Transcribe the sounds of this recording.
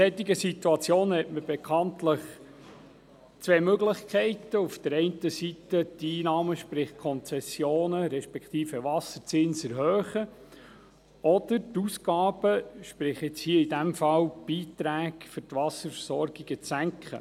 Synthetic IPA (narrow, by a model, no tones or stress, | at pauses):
sɛt̪ːiɡəsit̪uɑt͡sjoːnhɛtməbɛkʰχɑntləχ | t͡sʋeːmøɡlɪχkʰɛɪtəufd̪̥əɾɛɪntəsitətiːnɑːməʃpɾɪχkʰɔnt͡sɛsjoːnəɾɛʃpɛkχt̪iːfəʋɑsəɾt͡sɪnsɛɾɦøːχə | ɔd̪̥əɾtusɡ̥ɑːb̥əʃpɾɪχɪt͡shiəidæmfɑlb̥iːt̪ɾæːkfʏɾtʋɑsəɾfəsɔɾɡ̥iɡ̥ət͡sːæŋkχə̰